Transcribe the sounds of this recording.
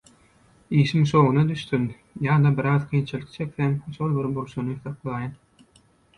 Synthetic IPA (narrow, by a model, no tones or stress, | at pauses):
iːʃimʃoʁunɑd̪yʃt̪yn | jɑːd̪ɑbiɾɑːðqʰijnt͡ʃʰilʲikt͡ʃʰe̞kθemʃolˠbiɾbuɾʃunuθɑqlˠɑːjɑn